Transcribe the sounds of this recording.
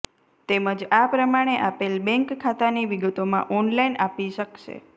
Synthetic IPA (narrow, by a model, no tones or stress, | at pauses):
t̪eməd͡ʒapɾəmaɽ̃eʔapelbɛ̃ŋkʰːat̪aniʋiɡət̪omã̰ʔɔnlainʔapiʃəkʃḛ